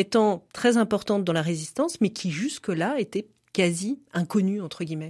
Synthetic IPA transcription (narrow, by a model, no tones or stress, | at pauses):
et̪ɑ̃t̪χɛzɛ̃pɔʁt̪ɑ̃t̪̚d̪ɑ̃laʁezist̪ɑ̃smɛkʲʰiʒyskəlaet̪ɛ | kaziɛ̃kɔnyɑ̃t̪χəɡʲiːmɛ